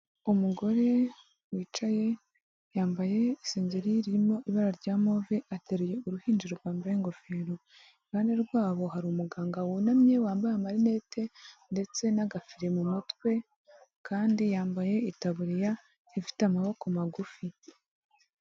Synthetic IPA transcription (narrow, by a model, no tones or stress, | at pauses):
umuɡo̞ɾe̞ | wiːt͡ʃaje̞ | jaːmbaje̞ise̞ːɲɟe̞ɾiɾiɾimo̞ʔiβaɾaɾɟaːmo̞ːveʔateɾeje̞uɾuhiːnd͡ʒiɾoɾɡwaːmbajeŋɡo̞feːɾo | ianeɾɡwaːβo̞ɦaɾumuɡaːŋɡawunamɲe̞waːmbajamaɾine̞tʰe̞nde̞t͡se̞naɡafiɾe̞mumutkwe̞ | kaːndijaːmbaje̞itaβuɾija | ifi̥tamaβo̞komaɡufi